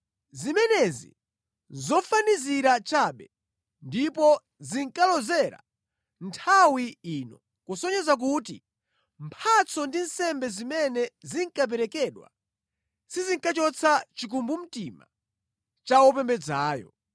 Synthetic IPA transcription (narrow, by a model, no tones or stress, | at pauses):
zimɛnɛzḭ | zɔfaniziɾat͡ʃaɓɛ | ndipɔ | ziŋkalɔzɛɾa̰ | ntʰawiiːnɔ | kusɔɲɛzak̬utḭ | mpʰat͡sɔndinsɛmbɛzimɛnɛziŋkap̬ɛɾɛkɛɗwa̰ | siziŋkat͡ʃɔt͡sʰat͡ʃik̬umbum̩tima̰ | t͡ʃawɔpɛmbɛd͡zaːjɔ̰